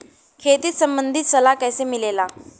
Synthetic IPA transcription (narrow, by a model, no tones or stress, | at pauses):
kʰet̪iːt̪səmbənd̪ʱiːt̪səlakɛjsemilela